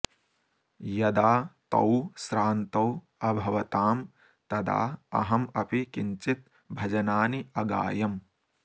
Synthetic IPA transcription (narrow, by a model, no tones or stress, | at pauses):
jɐd̪aːt̪ɐ̰wsɾaːnt̪ɐw | ɐbʱɐʋɐt̪aːm | t̪ɐd̪a̰ːɐ̰ɦɐmɐpikiɲt͡ʃit̪̚ | bʱɐd͡ʒɐnaːniɐɡa̰ːjɐm